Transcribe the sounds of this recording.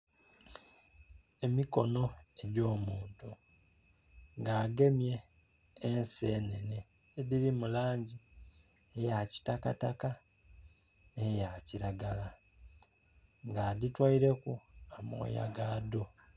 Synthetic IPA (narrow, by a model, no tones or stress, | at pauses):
e̞miko̞no̞e̞ɟo̞ːmuːntu | ŋɡaːɡe̞mje̞ː | nse̞ːne̞neː | ðiɾimulaːɲɟi | ejaci̥takataka | nejaciɾaɡala | ŋɡaːditwaiɾe̞kuamo̰ːja̰ɡaːdo̞